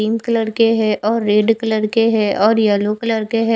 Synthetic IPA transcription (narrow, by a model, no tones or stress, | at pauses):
iːmkələɾkeɦɛ̃ʔɔːɾːeːɖkələɾkeɦɛ̃ʔɔːɾjaːlokələɾkeɦɛ